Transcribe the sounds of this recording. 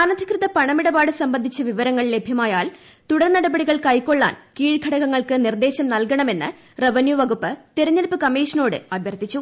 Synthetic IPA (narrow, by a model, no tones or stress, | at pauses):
ɐnɐd̪ʱikrɨðɐpɐɳɐmiɽɐbaːɽɨsɐmbɐnd̪ʱit͡ɕːɐʋiʋɐɾɐŋːɐɭle̞bʱjɐmaːjaːl | t̪uɽɐɾnɐɽɐbɐɽiɣɐɭkɐjkːo̞ɭːa̰ːnkiːɻɡʱɐɽɐɣɐŋːɐɭkɨnird̪e̞ːɕɐmnɐlkɐɳɐme̞nːɨ | reʋɐnjuʋɐɣupːɨt̪eɾɐɲːɐlpːɨkɐmeːʂɐno̞ːɽɨ̰ɐbʱjɐrt̪ːit͡ɕːu